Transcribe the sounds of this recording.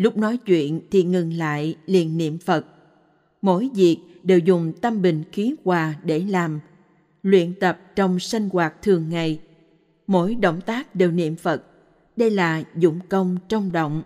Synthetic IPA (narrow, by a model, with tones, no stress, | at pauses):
lʊ˦˥k͡p̚nɔ˨˦jt͡ɕwḭ˧˨ənt̪ʰi˨˩ŋɨ˨˩ŋla̰ː˧˨jlḭ˧˨ənːḭ˧˨əmfə˨˩t̚ | mo̰˧˥˨jzi˨˩ək̚ | ɗe˨˩wzʊ˨˩ŋ͡mt̪ə˧mɓï˨˩ŋ̟xi˨˦kwaː˨˩ɗe˧˩laː˨˩m | lwḭ˧˨ənt̪ə˨˩p̚t͡ɕɔ˧wŋ͡msa˧jŋ̟ɣwaː˨˩t̚t̪ʰɨ˨˩əŋːa˨˩j | mo̰˧˥jɗo̰˧˨wŋ͡mt̪aː˦˥k̚ɗe˨˩wnḭ˧˨əmfə˨˩t̚ | ɗə˧jlaː˨˩zʊ̰˧˩ŋ͡mkə˧wŋ͡mt͡ɕə˧wŋ͡mɗo̰˧˨wŋ͡m